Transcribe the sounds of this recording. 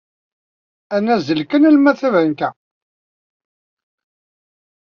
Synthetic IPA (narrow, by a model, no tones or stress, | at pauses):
ænːæzəlkənælmæθævənk̪æ